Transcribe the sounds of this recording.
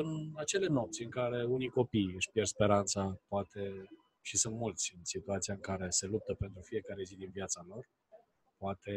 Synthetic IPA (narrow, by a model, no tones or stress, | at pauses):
ɨnat͡ʃe̞le̞no̞p̚t̪sʲɨŋkaɾe̞unijko̞pijɨʃʲpjerspe̞ɾant̪sapoat̪e̞ | ʃisunt̪mult̪sʲɨnsit̪uat̪siaɨŋkaɾe̞se̞lup̚t̪əpe̞nt̪ɾufije̞kaɾe̞zid̪invjat̪salo̞r | poat̪e̞